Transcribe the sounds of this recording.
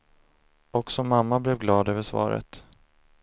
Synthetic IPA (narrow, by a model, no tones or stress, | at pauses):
ɔksɔmamːablɛvɡlɑːd̪øːvəʂvɑ̰ːɾə̰t̪